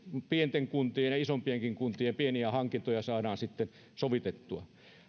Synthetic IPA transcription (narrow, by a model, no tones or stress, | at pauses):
pient̪eŋkunt̪ienjɑisompieŋkiŋkunt̪iempieniæhɑŋkint̪ojɑsɑːdɑːnsit̪ːen | soʋit̪et̪ːuɑ̰